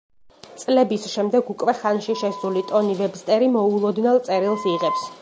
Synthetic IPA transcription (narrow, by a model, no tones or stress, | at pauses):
t̪sʼlɛbisʃɛmd̪ɛɡukʼvɛχanʃiʃɛsulit̪ʼɔnivɛbst̪ʼɛɾimɔulˠɔd̪nɛlˠt̪sʼɛɾilˠsiʁɛps